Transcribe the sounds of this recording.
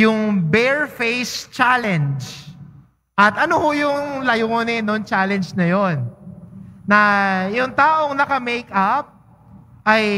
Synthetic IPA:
jʊŋbɛɹfejst͡ʃalɛnd͡ʒ | ʔɐt̪ʔɐnohojʊŋlɐjʊŋonɛnoŋt͡ʃalɛnd͡ʒnɐjo̞nː | ɐjʊŋt̪aːʔo̞ŋnɐkɐmejkʔap̚ | ʔɐj

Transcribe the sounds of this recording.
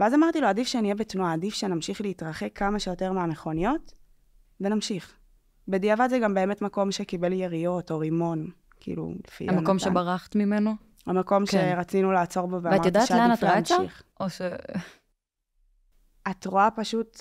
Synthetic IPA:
veazamaʁtiloadifʃenijebetnuaːdifʃe̞namʃiχleitʁaχe̞kʰːamaʃejo̞te̞ʁmeame̞χo̞nijo̞t | venamʃiχ | bediavadzeɡambe̞eme̞tmako̞mʃekibe̞ljeʁijo̞to̞ʁimo̞n | kiḭlṵlefḭmamkomʃebaʁaχt̪mimeno | amako̞mʃeʁat͡sinulaːt͡so̞ʁboveavamaʁjodt̪atʃealeanafʁaamtʃaiχoʃe | atʁoapaʃut

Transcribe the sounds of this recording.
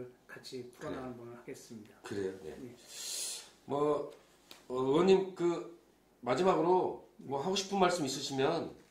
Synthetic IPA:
ɭkat͡ɕʰipuɾʌnanɯnbunɯɭhaɡes͈ɯmɲidakɯɾe̞jone̞̰ | mwʌ | ʌɯwʌɲimkɯ | mad͡ʑimaɡɯɾomwʌɦaɡoɕʰi̥pʰɯnmaɭs͈ɯmis͈ʌɕʰimjʌn

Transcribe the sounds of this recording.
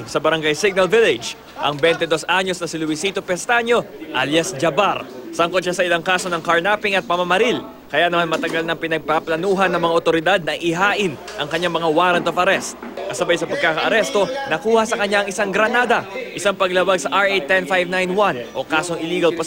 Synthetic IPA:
sɐbɐɾɐŋɡajsɪɡ̚nɐlvɪlɪd͡ʒ | ʔɐ̰ŋbɛnt̪ɛd̪o̞sʔaɲo̞snɐsɪlʊwɪsiːt̪opɛst̪aɲo̞ʔaljɐsd͡ʒɐbaɾsɐŋkod̪ʃasɐɪlaŋkaːsonɐŋkɐɹnapɪŋɐt̪̚pɐmɐmɐɾil | kɐjanɐmanmɐt̪ɐɡalnɐŋpɪnɐɡ̚paplɐnuːɦɐnːɐŋmɐŋaʔot̪o̞ɾɪd̪ad̪̚nɐʔɪɦaːʔɪn | ʔɐŋkɐɲːaŋmɐŋawaɾɐnt̪ofɐɾɛst̪̚kɐsɐbajsɐpɐɡ̚kakɐʔɐɾɛst̪o̞nɐkuːhɐsɐkɐɲːaːŋɪsaŋɡɾɐnaːd̪ɐʔɪsaŋpɐɡlɐwaɡ̚sɐʔaɹejt̪ːɛnfajvnajnwanʔo̞kaːso̞ŋɪliːɡɐlpo

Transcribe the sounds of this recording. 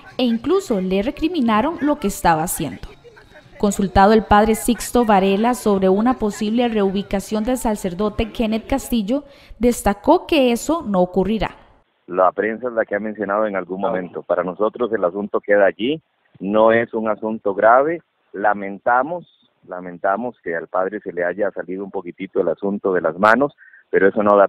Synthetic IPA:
e̞iŋkluso̞le̞re̞kɾimĩnaɾo̞nlo̞ke̞ːst̪aβaːsjend̪o̥ | ko̞nsult̪að̞oe̞lpað̞ɾe̞sikst̪o̞βaɾe̞laso̞βɾe̞unapo̞siβle̞re̞uβikasjo̞nd̪e̞lsase̞ɾd̪o̞t̪e̞kenet̪̚kast̪iʝo̞ | d̪e̞st̪ako̞ke̞eso̞no̞ːkuriɾa̰ | lapɾe̞nsaezlakeame̞nsjo̞nað̞oe̞ŋalɡuŋmomẽnt̪opaɾano̞so̞t̪ɾose̞lasunt̪o̞ke̞ðaːʝi | noesuŋasunt̪oɣɾaβe̞ | lamẽ̞nt̪amos | lamẽ̞nt̪amoskealpaðɾe̞se̞leaʝasaliðoumpo̞kit̪it̪oelasunt̪oðe̞lazmano̞s | pe̞ɾoe̞sonoða

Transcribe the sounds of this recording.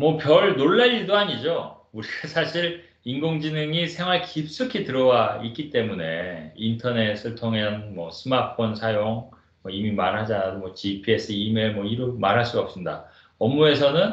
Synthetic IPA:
mʌpjʌɭnoɭːaɾiɭdoaɲid͡ʑo | uɾiɡasʰaɕʰiɾ | inɡoŋd͡ʑinɯŋisʰe̞ŋwaɭkip̚s͈ɯkʰitɯɾʌwaik͈it͈e̞mune̞̰intʰʌne̞s͈ʰɯɭtʰoŋeʌnmʌsʰɯmapʰonsʰajoŋ | mʌimimaɾɦad͡ʑanadomwʌt͡ɕipʰies͈ʰɯime̞mwʌiɾumaɾɦaɭs͈uɡaʌp̚s͈ɯnda̰ | ʌmːue̞sʰʌnɯn

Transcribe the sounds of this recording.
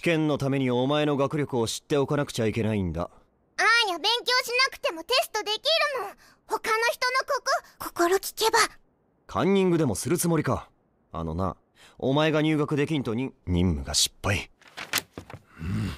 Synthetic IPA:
ɕi̥kẽ̞nːo̞t̪ame̞ɲ̟iomae̞no̞ɡakɯ̟ɾʲjokɯo̞ɕi̥t̪ːe̞o̞kanakɯ̟̥t͡ɕaike̞naĩnd̪a̰ | ajabẽ̞ŋkʲo̞ːɕinakɯ̟̥t̪e̞mo̞t̪e̞sɨ̥t̪o̞d̪e̞kʲiɾɯ̟nõ | ho̞kano̞çi̥t̪o̞no̞kokokʰo̞̥ko̞ɾokʲi̥ke̞ba | kʰã̰ɲ̟ʲːĩŋɡɯd̪e̞mo̞sɨɾɯ̟t͡sɨmo̞ɾʲika | a̰no̞̰na̰ | o̞̰mae̞ɡaɲ̟ɨːɡakɯ̟d̪e̞kʲĩnt̪o̞ɲ̟iɲ̟ĩmːɯ̟̰ɡa̰ɕi̥pːai | ɯ̃

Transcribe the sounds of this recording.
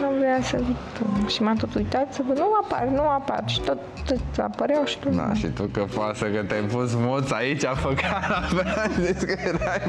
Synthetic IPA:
nuvɾeasət̪ʃimat̪ot̪ujt̪at̪səvənuapa̰rnuapa̰rʃi̥t̪ot̪ːɨt̪a̰pəɾeawʃi̥t̪od̪a̰ʃʃḭt̪ukəfasəkət̪ʲajpusmot̪sait͡ʃʲafəkanavaʃzeskəeɾaj

